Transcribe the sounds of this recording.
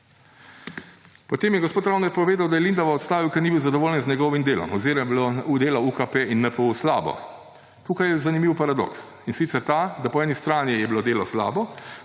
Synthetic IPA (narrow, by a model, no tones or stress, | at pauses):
pɔt̪eːmjɛɡɔspoːt̪ɾawnɛɾpɔʋeːd̪awd̪ajɛlind̪aʋaɔt̪st̪aːʋiwkɛɾnibiwzad̪ɔʋoːljɛnzɲɛɡɔːʋimd̪eːlɔ̰mɔ̰zeɾɛbloud̪eːlaukapeinːɛpouwslaːbɔ̰ | t̪uːkajɛzanimiwpaɾad̪ɔ̰ks | insit̪sɛɾt̪aːd̪apɔɛːnist̪ɾaːnjijɛbilod̪eːlɔsla̰ːbɔ